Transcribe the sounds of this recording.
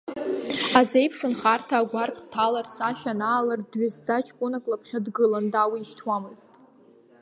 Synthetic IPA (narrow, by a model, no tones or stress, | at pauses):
aze̞jpʰʂʰɨnχartʰaːɡʷarpʰʼtʰalart͡sʰaʃᶣanaːlardɥɪzdat͡ʃʰʼkʷʼʊnakʼlapʰχʲadɡɨlandawiːʃtʰwamɨztʼ